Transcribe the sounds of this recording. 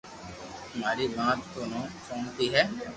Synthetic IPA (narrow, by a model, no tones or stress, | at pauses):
t̪ʊmaːɾiːmãːt̪ːoːnõːsõːŋt̪iːɦɛː